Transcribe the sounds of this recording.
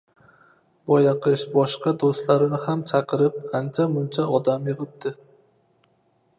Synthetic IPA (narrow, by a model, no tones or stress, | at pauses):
bɒjaqʰɨʃbɒʃqɑd̪ost̪laɾɪnɪhamt͡ʃʰaqʰɨɾɪp̚ant͡ʃʰamʊnt͡ʃʰaɒd̪amjɨʁɨp̚d̪ɪ